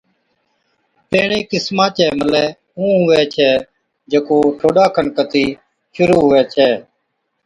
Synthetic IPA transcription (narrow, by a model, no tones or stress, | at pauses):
peːɳeːkɪsmãːt͡ʃɛːməlɛː | ũːɦʊʋɛːt͡ʃʰɛː | d͡ʒekoːʈʰoːɗaːkʰənkət̪iː | ʃʊɾuːɦʊʋɛːt͡ʃʰɛː